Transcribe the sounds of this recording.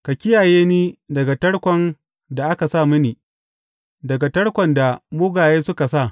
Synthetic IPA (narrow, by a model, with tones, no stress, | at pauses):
ka˨kʲɪ˦jaː˨jeː˦niː˦dɐ˨ɡa˨tɐ˦ɽkʷɔ˨n | da˨ʔa˦ka˨saː˦˨mʊ˦niː˨ | dɐ˨ɡa˨tɐ˦ɽkʷɔ˨nda˨mʊ˦ɡaː˨jeː˦sʊ˦ka˨sa˦˨